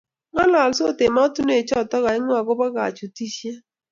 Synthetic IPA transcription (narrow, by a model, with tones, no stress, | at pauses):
ŋa˦la˨lso˦˨te˨ma˦tu˦n˦e˨t͡ʃɔ˦˨tɔ˦ɣa˨ɪ˦ŋwa˨ɡʊ˦ba˦ɡa̰˨t͡ʃu˨ti˦sja˦